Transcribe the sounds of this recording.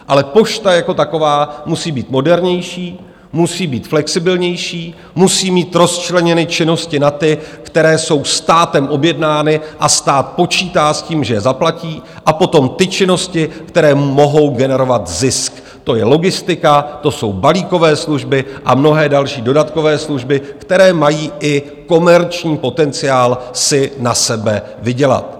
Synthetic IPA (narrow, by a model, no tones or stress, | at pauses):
ʔalɛpo̞ʃt̪ajako̞t̪ako̞vaːmusiːbiːt̪mo̞dɛɾɲɛjʃiː | musiːbiːt̪flɛksɪbɪlɲɛjʃiː | musiːmiːt̪ɾo̞st͡ʃlɛɲɛnɪt͡ʃɪno̞scɪnat̪ɪkt̪ɛɾɛːso̞wst̪aːt̪ɛmʔo̞bjɛdnaːnɪʔast̪aːt̪̚po̞t͡ʃiːt̪aːsciːmʒɛjɛzaplaciː | ʔapo̞t̪o̞mt̪ɪt͡ʃɪno̞scɪkt̪ɛɾɛːmmo̞ɦo̞wɡɛnɛɾo̞vat̪zɪsk | t̪o̞jɛlo̞ɡɪst̪ɪkat̪o̞so̞wbaliːko̞vɛːsluʒbɪʔamno̞ɦɛːdalʃiːdo̞dat̪ko̞vɛːsluʒbɪkt̪ɛɾɛːmajiːʔɪ | ko̞mɛɾt͡ʃɲiːpo̞t̪ɛnt͡sɪjaːlsɪnasɛbɛ | vɪɟɛla̰t̪̚